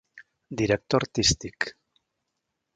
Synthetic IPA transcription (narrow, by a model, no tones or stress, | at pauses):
d̪iɾek̚t̪oɾt̪ist̪ik